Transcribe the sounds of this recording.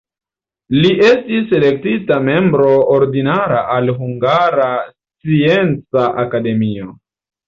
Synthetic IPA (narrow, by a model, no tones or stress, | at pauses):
liʔe̞stise̞le̞k̚titame̞mbɾo̞oɾdinaɾaʔalɦuŋɡaɾast͡sie̞nt͡saʔakade̞mio